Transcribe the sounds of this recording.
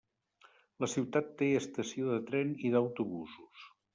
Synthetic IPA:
ləsiwt̪at̪ːeəst̪əsioðət̪ɾɛniðəwt̪uβuzus

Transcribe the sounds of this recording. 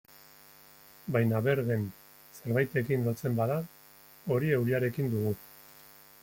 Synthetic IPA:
bajnaβe̞ɾɣen | se̞ɾβajt̪e̞kinlo̞t͡se̞mbaða | o̞ɾie̞wɾiaɾe̞kind̪uɣ̞u

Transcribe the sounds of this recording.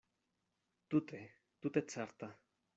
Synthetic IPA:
t̪ut̪e | t̪ut̪et͡sʰaɾt̪a

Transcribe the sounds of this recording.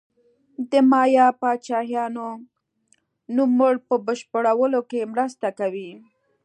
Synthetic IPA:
d̪əmɑjɑpɑt͡ʃɑhjɑno | numːʊɽpəbəʃpəɽawəlokemɾəst̪akawi

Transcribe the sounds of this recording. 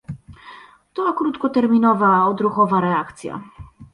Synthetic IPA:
t̪ɔakɾut̪kɔt̪ɛɾmʲinɔvaɔd̪ɾuxɔvaɾɛakt̪sʲja̰

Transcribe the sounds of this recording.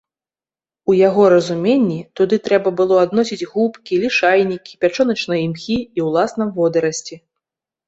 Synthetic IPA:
ujaɣɔɾɐzumʲenʲːit̪ud̪ɨt̪ɾɛbɐbɨlˠɔad̪nɔsʲid͡zʲɣupkʲilʲiʂajnʲikʲi̥pʲat͡ʂɔnɐt͡ʂnɐjɐimxʲiiwlˠasnɐvɔd̪ɐɾɐsʲt͡sʲi

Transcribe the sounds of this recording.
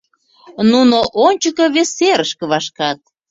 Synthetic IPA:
nunoʔonʲt͡ɕəkoβesːeɾəʃkə̆βɑʃkɑt̪̚

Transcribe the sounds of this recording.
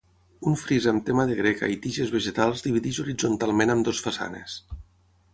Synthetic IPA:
uɱfɾizəmt̪emaðeɣ̞ɾeka̰it̪iʒezβeʒet̪alˠzd̪iβ̞iðiʒuɾid͡zunt̪alˠmenəmd̪osfasa̰nḛs

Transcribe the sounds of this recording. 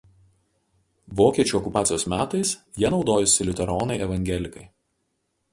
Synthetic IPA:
ʋoːkʲiɛt͡ʃʲuːˑɔkʊpɑːt̪sʲjoːsmʲæːt̪ɐɪs | jiɛnɒʊd̪oːjʊsʲɪlʲɪt̪ʲɛɾɔːnɐɪʔɛʋɐŋʲɡʲɛlʲɪkɐɪ

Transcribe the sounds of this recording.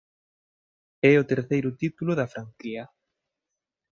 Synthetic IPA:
ɛʊt̪eɾθejɾʊt̪it̪ulʊðɐfɾaŋkiɐ

